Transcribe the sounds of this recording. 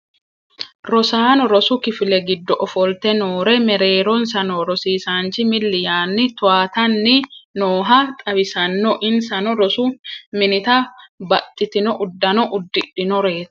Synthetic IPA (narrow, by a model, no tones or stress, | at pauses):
ɾɔsaːnɔɾɔsʊkɪfɪlɛɡɪd̪ːɔʔɔfɔlt̪ɛnoːɾɛmɛɾe̞ːɾɔnsɐnɔɾɔsiːsaːnt͡ʃɪmɪlːɪjaːnːɪt̪ʊwaːt̪ɐnːɪnoːɦɐt̪ʼɐbɪsɐnːɔʔɪnsɐnɔɾɔsʊmɪnɪt̪ɐbɐt̪ʼːɪt̪ɪnɔʔʊd̪ːɐnɔʔʊd̪ːɪᶑɪnɔɾe̞ːt̪ɐ̥